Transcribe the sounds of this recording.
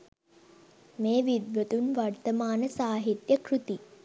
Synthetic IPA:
meːʋid̪ʋət̪unʋart̪əmaːnəsaːɦit̪jəkrut̪i

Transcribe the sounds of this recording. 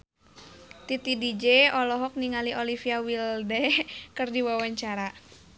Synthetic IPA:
t̪it̪idid͡ʒeɔlɔɦɔk̚niŋaliʔolifiawildɛkɨrdiwawaɲt͡ʃaɾa

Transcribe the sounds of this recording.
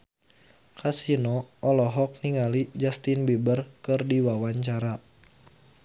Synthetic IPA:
kasinɔɔlɔɦɔk̚niŋalid͡ʒast̪inbibərkɨrdiwawaɲt͡ʃaɾa

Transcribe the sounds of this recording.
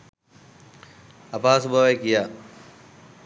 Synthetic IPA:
ɐpaːsubʱɐʋekija

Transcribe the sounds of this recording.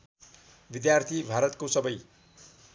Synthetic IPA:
bid̪jart̪ʰibʱaɾʌt̪kosʌbʌj

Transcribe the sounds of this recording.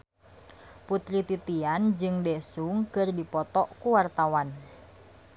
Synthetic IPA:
put̪ɾit̪it̪iand͡ʒɨŋdɛsuŋkɨrdipɔt̪ɔʔkuwart̪awan

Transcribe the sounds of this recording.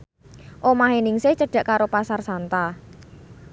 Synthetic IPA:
ʔomaɦenɪŋseht͡ʃəɖ̥ä̤ʔkaɾopasarsant̪a

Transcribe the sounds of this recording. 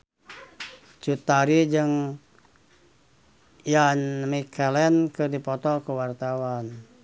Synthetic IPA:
t͡ʃut̪aɾid͡ʒɨŋ | janmikʰɛlɛnkərdipɔt̪ɔkəwart̪awan

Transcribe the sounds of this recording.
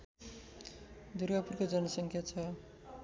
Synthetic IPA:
d̪urɡapurkod͡zʌnʌsʌŋkʰjat͡sʰʌ

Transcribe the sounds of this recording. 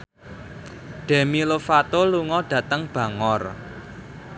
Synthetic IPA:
ɖ̪̥ɛ̤milofat̪oluŋɔɖ̥ä̤t̪əŋb̥ä̤ŋɔr

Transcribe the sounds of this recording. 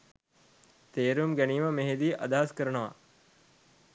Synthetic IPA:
t̪eːɾumɡæniːməmeɦed̪iːʔɐd̪aɦaskəɾənɐʋa̰

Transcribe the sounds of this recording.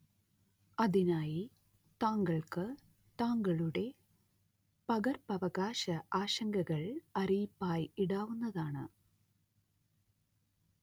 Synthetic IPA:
ɐðinaːji | t̪aːŋɡɐɭkɨ | t̪aːŋɡɐɭuɽe̞ | pɐɣɐrpɐʋɐɣaːɕɐʔaːɕɐŋɡɐɣɐɭɐrijipːaːjiɽaːʋunːɐðaːɳɨ̰

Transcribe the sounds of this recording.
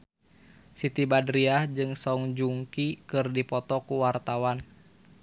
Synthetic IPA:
sit̪ibadɾiahd͡ʒɨŋsɔŋd͡ʒuŋkikɨrdipɔt̪ɔkuwart̪awan

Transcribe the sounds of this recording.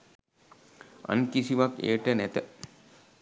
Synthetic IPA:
a̰nkisiʋakḛːʈənæt̪ə

